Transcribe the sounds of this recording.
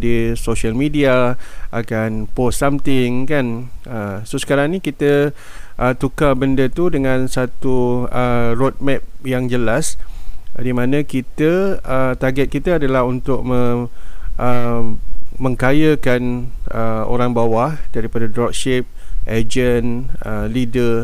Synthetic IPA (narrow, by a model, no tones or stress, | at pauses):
disoʃəlmidiaʔakanpɔssamt̪ɪŋkanəsosə̥kaɾaŋnikit̪ə | ʔət̪ukabəndət̪udəŋãnsat̪uərot̪̚mɛp̚jaŋd͡ʒəlas | dimãnãkit̪əət̪aɡɛt̪̚kit̪əadalaɦunt̪ʊk̚mə | ʔə | mə̃ŋkajəkanəo̰ɾaŋbawahdaɾipadadɾɔk̚ʃɪp̚ʔad͡ʒənəlidə